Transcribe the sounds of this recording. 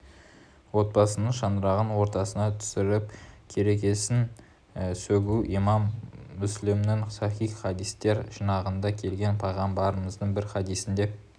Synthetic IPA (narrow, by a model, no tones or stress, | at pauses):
wo̞t̪̚bɑsənəɴʃɑnɾɑʁənwo̞ɾt̪ɑsənɑt̪ʰʏ̥sɪɾɪp̚kʲʰe̞ɾe̞kʲe̞sɪn | sɵɡʲuʔimɑmːʏslɪmnɪŋsɑχijχɑd̪ijst̪e̞ɾʒənɑʁənd̪ɑkʲʰe̞lɡʲe̞npʰɑjʁɑmbɑɾəməzd̪əɴbɪɾχɑd̪ijsɪnd̪e̞